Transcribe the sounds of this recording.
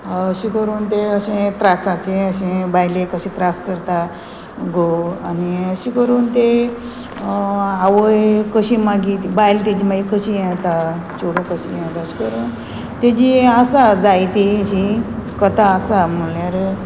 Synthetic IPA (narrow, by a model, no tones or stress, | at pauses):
ɕikəɾuːnt̪eəɕẽt̪ɾasãt͡ɕẽəɕẽbajlẽkəɕĩt̪ɾaskəɾt̪a | ɡoaniəɕikəɾuːnt̪e | aʋəjkəɕimaɡit̪ibajlt̪id͡ʑimaɡikəɕijɛ̃t̪at͡ɕoɽõkəɕijãt̪aɕi̥kəɾuːn | t̪ed͡ʑiəsad͡zajt̪iɕikət̪aːsam̤əljaɾ